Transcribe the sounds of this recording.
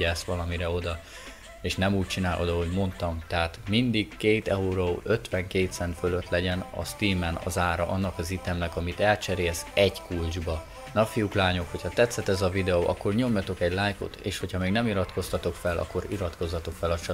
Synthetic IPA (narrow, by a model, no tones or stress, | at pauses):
ɛsʋɒlɒmiɾɛo̞d̪ɒ | eːʃnɛmuːc̚t͡ʃinaːlʔod̪ɒɦo̞ɟmo̞nt̪ɒmt̪ɛɦat̪mind̪iɡkeːt̪ɛuɾoʔø̞t̪ʋɛŋkeːt̪sɛnt̪føløt̪lɛɟɛnɒ̰st̪iːmɛnɒ̰zaːɾɒ̰ʔɒnːɒkɒzit̪ɛmnɛkɒmit̪ɛlt͡ʃɛɾeːlsɛɟkuld͡ʒbɒ | nɒfijuklaːɲo̞kho̞cʰhɒt̪ɛt̪sːɛt̪ɛzɒvid̪ɛoʔɒ̰kːo̞rɲo̞mjɒt̪o̞kɛɟlaːjko̰t̪ḛːʃho̞chɒmeːɡnɛmiɾɒt̪ko̞st̪ɒt̪o̞kfɛlʔɒ̰kːo̞ɾiɾɒt̪ko̞zːɒt̪o̞kfɛlɒt͡ʃɒ